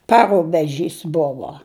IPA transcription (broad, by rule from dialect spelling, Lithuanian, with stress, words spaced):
ˈpɑːrʊbʲɛˌʒʲiːs ˈbʊʋoː